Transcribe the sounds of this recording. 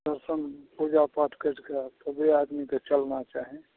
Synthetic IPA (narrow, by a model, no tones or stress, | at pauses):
d̪əɾsənpud͡ʒapaʈkeʈkat̪ɔbead̪miket͡ʃəlnat͡ʃaɦẽ